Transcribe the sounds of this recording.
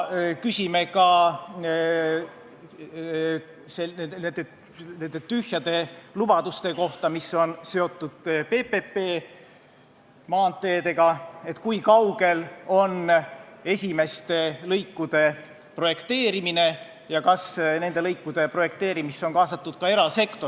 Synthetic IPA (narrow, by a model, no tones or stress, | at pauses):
kysʲime̞kɑ | seeend̪e | ne̞nd̪et̪yhjɑd̪e̞lub̥ɑd̪̥ust̪e̞ko̞ht̪ɑmisːo̞nse̞o̞t̪ːˑud̪̥pe̞ːpepːeː | mɑːnt̪ːˑe̞ːd̪e̞ɡɑe̞t̪ːkujkɑwɡ̥e̞lo̞ne̞sʲime̞st̪e̞lɤjkːud̪̥e̞ | pro̞je̞kt̪e̞ːɾimine̞ | jɑkɑsne̞nd̪̥e̞lɤjkːud̪̥e̞pro̞je̞k̚t̪e̞ːɾimist̪o̞nŋkɑːsɑt̪ːˑud̪̥kɑe̞ɾɑse̞kt̪o̞